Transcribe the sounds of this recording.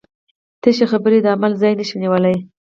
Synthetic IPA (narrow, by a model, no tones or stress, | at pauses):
t̪eʃexabəɾed̪əamalzɑjnəʃiniwəlaj